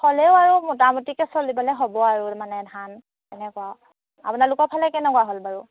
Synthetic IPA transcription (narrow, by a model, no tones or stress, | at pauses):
xɔlɛʊaɹumɔtamutikɛsolibɔlɛɦobɔaɹumanɛdʱan | kɛnɛkɔwa | a̰punalʊkɔpʰalɛkɛnɛkɔwaɦolbaɹu